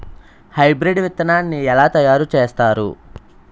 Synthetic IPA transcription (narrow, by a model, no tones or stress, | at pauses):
hɐjbɾeɖʋit̪ːɐnaːnːiɛlaːt̪ɐjaːɾut͡ʃeːst̪aːɾṵ